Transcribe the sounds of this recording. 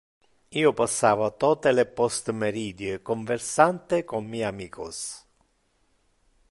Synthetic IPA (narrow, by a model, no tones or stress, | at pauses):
iːopasːaːvat̪ɔːt̪elepɔst̪meɾiːd̪jekoɱversant̪ekommiːamiːkʰo̰s